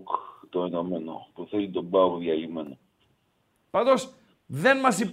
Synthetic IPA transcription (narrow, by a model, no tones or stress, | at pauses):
kt̪oenomeno̰puθelit̪o̞bɐbuðjɐlimeno | pɐnd̪os | ðenmɐsip